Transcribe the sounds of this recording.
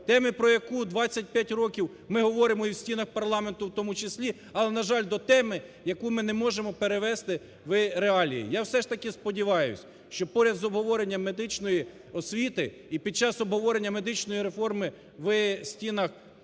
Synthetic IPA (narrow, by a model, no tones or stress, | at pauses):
t̪ɛmɪpɾɔjɐkud̪ʋɑt͡sʲːɐt̚ʲpʲjatʲrɔkʲiw | mɪɦɔʋɔɾɪmɔiwsʲtʲinɐxpɐrlˠɑme̞nt̪ʊwt̪ɔmʊt͡ʃɪsʲlʲi | ɐlˠɛnɐʒɑlʲd̪ɔt̪ɛmɪjɐkumɪnemɔʒemɔpeɾeʋɛst̪ɪ | ʋɪɾeɑlʲḭjḭjawsɛʃt̪ɐkɪspɔdʲiʋɑjʊ̰sʲ | ʃt͡ʃɔpɔɾʲɐd̪zɔbɦɔʋɔɾenʲːɐme̞d̪ɪt͡ʃnɔji | ɔsʲʋʲit̪ɪ | ipʲid̪̚t͡ʃɑsɔbɦɔʋɔɾenʲːɐmed̪ɪt͡ʃnɔjiɾefɔrmɪ | ʋsʲtʲinɐx